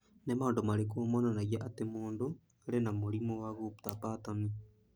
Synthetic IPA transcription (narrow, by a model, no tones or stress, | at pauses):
nemandomaɾekuomwananaɣiaʔatemoːndo | alenamuɾimowaɣutapatami